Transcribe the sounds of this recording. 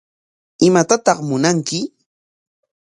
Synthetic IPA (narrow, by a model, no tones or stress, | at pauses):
ɪmat̪at̪ɑχmʊnaŋkɪ